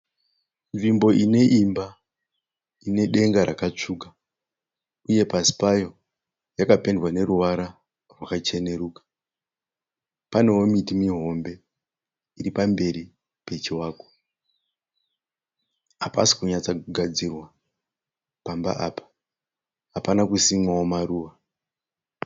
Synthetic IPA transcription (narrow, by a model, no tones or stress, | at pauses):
nʐimbo̞ine̞ʔimba | ine̞ɗe̞ŋɡaɾakat͡ʂuːka | uje̞pasi̥pajo̞ | jakape̞ndwane̞ruʋaɾa | rwakat͡ʃe̞ne̞ɾuːkḁ | pane̞wo̞mitimiɦo̞mbe̞ | iɾipambe̞ɾi | pe̞t͡ʃiwaːko | ɦapasi̥kuɲat͡sauɡʱad͡zirwa | pamba̰ʔapḁ | ɦapanakusimwawomaruːʋa